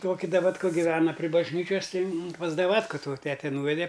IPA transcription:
ˈtoːkʲɪ dɐʋɐtˈkɐ ɡʲɪˈʋʲæːnɐ pʲrʲɪ bɐʒʲˈnʲiːt͡ʃʲɛs ˈtɐɪ mʊm pɐs dɐˈʋɑːtkɐ toː ˈtʲæːtʲɛ ˈnuːʋʲɛdʲɛ

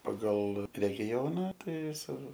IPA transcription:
pɐˈɡɐlˠ rʲɛɡʲɪˈjoːnɐ ˈtɐɪ ˈjɪs ɪr

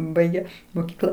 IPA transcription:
ˈbɐɪɡʲɛ moːˈkʲiːklˠɐ

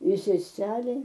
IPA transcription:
ɪ sʲɛˈsʲæːlʲɛɪ

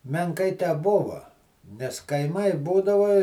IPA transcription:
mʲɛŋˈkɐɪ tʲɛˈbʊʋɐ nʲɛs kɐɪˈmɐɪ ˈbuːdɐʋɐ

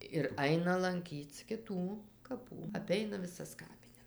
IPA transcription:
ɪr ˈɐɪnɐ lˠɐŋʲˈkʲiːt͡s kʲɪˈtuː kɐˈpuː ɐˈpʲɛɪnɐ ʋʲɪˈsɐs ˈkɑːpʲɪnʲɛs

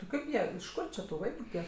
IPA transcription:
tʲɪ ˈkɐɪp ˈjiɛ ɪʃ ˈkʊr t͡ʃʲɪ tʊ ˈʋɐɪkʊ tʲiɛk

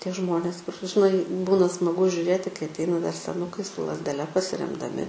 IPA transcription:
ˈtʲiɛ ˈʒmoːnʲeːs kʊr ʒʲɪˈnɐɪ ˈbuːnɐ smɐˈɡʊ ʒʲʊˈrʲeːtʲɪ kɐɪ ɐtʲˈɛɪnɐ dɐr sʲɛˈnʊkɐɪ sʊ lˠɐzʲdʲɛˈlʲɛ pɐsʲɪrʲɛmdɐˈmʲɪ

